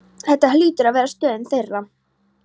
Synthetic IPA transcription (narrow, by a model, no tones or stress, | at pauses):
θɛht̪ːahlʏːt̪ʏɾaðvɛːɾast̪œːðɪnθejra